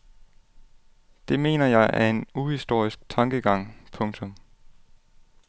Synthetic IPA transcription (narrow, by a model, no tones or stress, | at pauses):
d̥e̝me̝̰ːnɐjɑ̈ɪʔæɐe̝nuhisd̥o̝ɐ̰isɡ̥̚t͡sʰɑ̈ŋɡ̥əɡ̥ɑ̈ŋ̰pʰɔ̽ŋt͡sʰɔ̽m